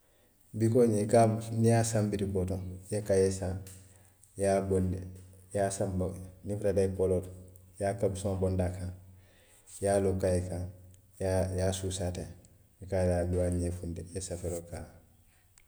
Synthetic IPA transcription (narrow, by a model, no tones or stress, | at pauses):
bikoɲekanijaːsambiɾibotõŋjekajesã | jaːbondejasambanifɾadakolotjaːkabsõːbondaːkãŋ | jaːlokajekã | jajaːsusate | ikajaduwaɲefundejesafeɾokaː